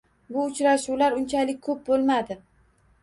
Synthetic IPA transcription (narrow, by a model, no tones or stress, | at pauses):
bʊʊt͡ʃɾaʃuwlaɾʊnt͡ʃʰalɪk̚ʲkʰɵp̚bolˠmad̪ɪ